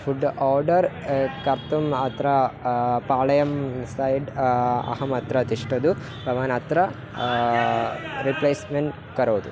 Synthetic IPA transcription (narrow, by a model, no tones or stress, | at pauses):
fʰuɖaːɾɖɐɾ | kɐɾt̪umɐt̪ɾɐpaːɭɐjɐmsɐjɖɐ̰ɦɐmɐt̪ɾɐt̪iʂʈɐd̪u | bʱɐʋaːnɐt̪ɾɐ | ɾipleːsmeɳʈ | kɐɾoːd̪u